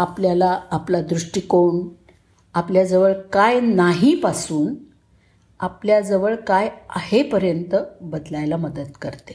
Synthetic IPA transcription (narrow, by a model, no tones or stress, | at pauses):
apljalaːplad̪ɾuʂʈikoɳ | apljad͡zəʋəɭkajnaɦipasuːn | apljad͡zəʋəɭkaja̰hepəɾjənt̪əbəd̪lajlaməd̪ət̪kəɾt̪e̥